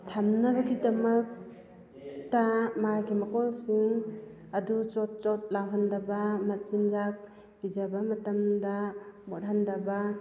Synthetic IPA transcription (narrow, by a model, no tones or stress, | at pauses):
tʰamnabaɡidɐmɐk̚ | tamajɡimakɔŋsiŋ | adut͡ʃɔt̚t͡ʃɔt̚lawɦandabamat͡ʃinzak̚ | bizabamatamdamɔɾɦandaba